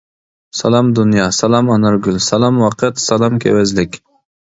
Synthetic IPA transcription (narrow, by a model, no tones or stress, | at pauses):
sɑlˠɑmd̪unjɑsɑlɑmɑnɨɾɡʲylsɑlˠɑmwɑqʰɨt̪sɑlˠɑmkʲʰḛwɛzlɪkʲ